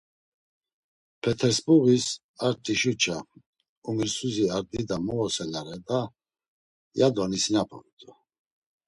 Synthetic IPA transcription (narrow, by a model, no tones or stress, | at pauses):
pʰɛt̪ʰɛɾsbuɣis | aɾt̪ʼiʃut͡ʃʰa | umiɾsuziaɾd̪id̪amɔlɔsɛlaɾɛd̪a | jad̪ɔnisinapʰɔ̰ɾit̪ʰʼɔ